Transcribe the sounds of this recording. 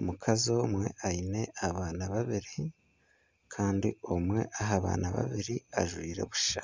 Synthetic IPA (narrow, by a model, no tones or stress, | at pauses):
umukʰazo̞mwe̞ʔaine̞aβaːnaβaβiɾi | kʰaːndiomwe̞̰ʔaɦaβa̰ːnʔaβa̰βiɾiaʒwiːɾe̞̰βu̥ʃa